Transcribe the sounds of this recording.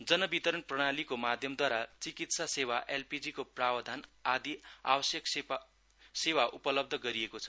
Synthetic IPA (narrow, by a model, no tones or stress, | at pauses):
d͡zʌnʌbit̪ʌɾʌnprʌɽ̃alikomad̪ʱjʌmd̪waɾat͡sikit̪sasewaʔelpid͡zikoprawʌd̪ʱanad̪ia̰wʌsjʌks | sewaʔupʌlʌb̚d̪ʱʌɡʌɾiekot͡sʰʌ̥